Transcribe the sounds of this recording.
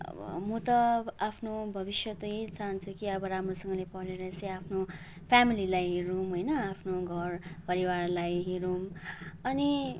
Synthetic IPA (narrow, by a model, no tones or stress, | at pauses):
ʌ̰ʌ̰mʌt̪ʌapʰnobʱʌbisjʌt̪ʌet͡saɦʌnt͡sʰukiʌbʌɾamrosʌŋɡʌlepʌɽeɾʌt͡sʌj̃apʰno | pʰamililajɦeɾumɦojnʌapʰnoɡʱʌrpʌɾiwarlajɦeɾumʌni